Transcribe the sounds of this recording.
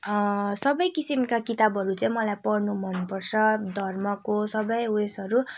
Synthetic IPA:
sʌbʌjkisimkakit̪abʱʌɾut͡saĩmʌlajpʌrnubʱʌnpʌrt͡sʰʌd̪ʱʌrmʌkosʌbʌjwesʌɾu

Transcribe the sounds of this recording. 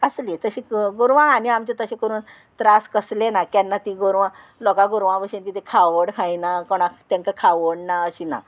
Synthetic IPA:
əslit̪əɕĩɡoɾʋãaniamt͡ɕet̪əɕẽkəɾuːn | t̪ɾaskəslenakjanːat̪iɡoɾʋã | lɔkaɡoɾʋãʋəɕĩnkit̪ekʰaʋəɽkʰãjnakɔɽ̃ãt̪ẽŋkakʰaʋəɽnaəɕina̰

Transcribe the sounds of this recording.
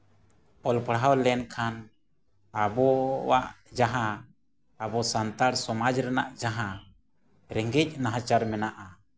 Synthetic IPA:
ɔlpɽɦawlɛnkʰan | abɔwa̰ʔ | d͡ʒaɦãː | bɔsant̪aɾsɔmad͡ʒɾɛnaʔd͡ʒaɦã | ɾɛŋɡɛc̚naɦãt͡ʃaɾmɛnaʔa

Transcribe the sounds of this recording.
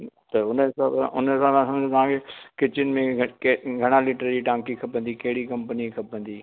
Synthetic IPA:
t̪ɐʊnəsããʔʊnəsãmãsɐmd͡ʑot̪ɐʋ̤ãːkʰekɪt͡ɕɪnɪ̆mẽkɡʱɐɽ̃alɪʈɾəd͡ʑiʈãːŋkikʰɐpə̃n̆d̪ikɐɦɪɽikɐ̃mpənikʰɐpə̃nd̪iː

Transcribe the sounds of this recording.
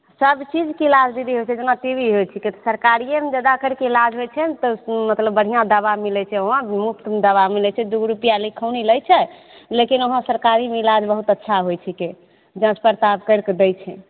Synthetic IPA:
səbt͡ʃid͡ʒkilad͡ʒd̪id̪iɦojt͡ʃʰɛd͡ʒenaʈibiɦojt͡ʃʰiket̪ɔsəɾkaɾijemed͡ʒəd̪akəɾkeilad͡ʒɦojt͡ʃʰɛt̪ɔmət̪ləbːəɽ̤ijãd̪əbamilɛt͡ʃʰɛoɦãmuk̚t̪d̪əβamilɛt͡ʃʰɛd̪uɡɾupijalikʰəwniləjt͡ʃʰɛ | lekinoɦãsəɾkaɾimeilad͡ʒbəɦut̪ətːʃʰaɦojt͡ʃʰike | d͡ʒãt͡ʃpəɾt̪abkəɾkd̪ɛjt͡ʃʰɛ

